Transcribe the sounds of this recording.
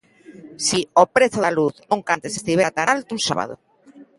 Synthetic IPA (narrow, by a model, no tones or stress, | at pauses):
siopɾeθoðaluθnũŋkant̪esest̪iβeat̪analt̪unsa̰βa̰ðo̰